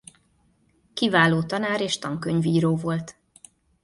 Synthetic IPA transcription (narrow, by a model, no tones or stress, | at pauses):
kivaːloːt̪ɒnaːɾeːʃt̪ɒŋkøɲviːɾoːvo̞lt̪